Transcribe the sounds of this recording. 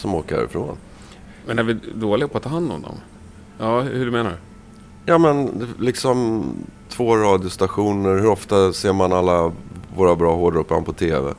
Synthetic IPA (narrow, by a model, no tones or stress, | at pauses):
sɔmoːka̰ɾɪ̰fɾo̰ːn | mɛnæɾvɪd̪oːlɪɡapʰɔat̪ʰːɑːɦand̪ɔ̰md̪ɔ̰m | jɑːhɵɖɵmeːna̰ | jɑːmɛnlɪksɔmt̪ʰvoːɾɑːd̪jʊst̪aɧuːnəɾhɵɾɔft̪aseːɾmanalːavoːɾabɾɑːɦoːɖɾɵpːɾa̰npʰɔt̪ʰeːvɛ̰